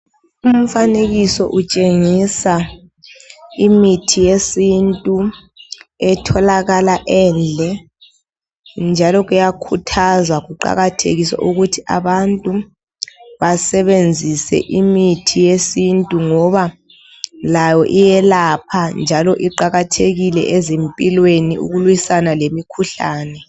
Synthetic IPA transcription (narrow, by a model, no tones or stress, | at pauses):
um̩faneɣisɔ̰ʔut͡ʃʼeŋisa | imitʰijesintʼu | ɛtʰɔlaɣalaʔɛːnd͡ɮʱɛ | nd͡ʒʱalɔɣujakʰutʰazwaɣuǃa̰ɣatʰḛɣisa̰ʔuɣutʰia̰βantʼu | βasɛβend͡zʱisɛ̰ʔimitʰijesintʼuŋɔβa | lajɔʔijɛlapʰand͡ʒʱalɔʔiǃaɣatʰeɣilɛ̰ʔɛzempʼilweniṵɣulwisanalemikʰuɬaːnɛ